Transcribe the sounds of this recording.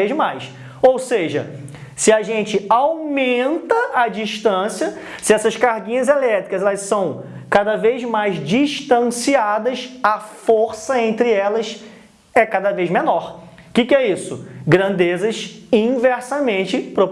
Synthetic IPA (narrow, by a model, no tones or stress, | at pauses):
ezmajs | owseʒɐ̰ | sɪɐʒẽnt͡ʃɪawmẽnt̪ɐɐd͡ʒiʃt̪ɐ̃siɐsɪɛsɐʃkaɾɡĩɲɐzelɛt̪ɾikɐzɛlɐssɐ̃w̃kad̪ɐvejzmajzd͡ʒiʃt̪ɐ̃siad̪ɐʃɐfoɾsɐẽnt̪ɾɪɛlɐs | ɛkad̪ɐvejzmenɔɾ | kɪkɪɛisʊɡɾɐ̃nd̪ezɐsĩvɛɾsɐmẽnt͡ʃɪpɾop